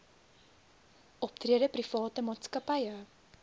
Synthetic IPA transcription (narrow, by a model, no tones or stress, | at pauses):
ʔɔp̚triədəprifɑːtəmɑːtskɐpɐjə